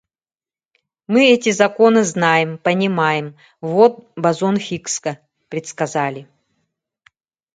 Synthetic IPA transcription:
mɨɛtʲɪzɐkonɨznajɪmpɐnʲimajɪm | vot̪̚bɐzonxʲikskɐ | pɾʲɪt̪skɐzalʲɪ

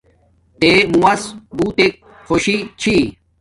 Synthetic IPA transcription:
t̪emũwɐsbut̪ek̚ | xoɕit͡ɕʰi

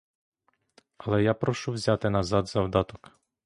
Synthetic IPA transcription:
ɐlˠɛjapɾɔʃuwzʲat̪ɪnɐzɑd̪zɐwd̪ɑt̪ɔk

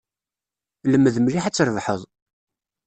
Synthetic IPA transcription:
ləmːəðmliħat͡sːɾˤəvħəðˤ

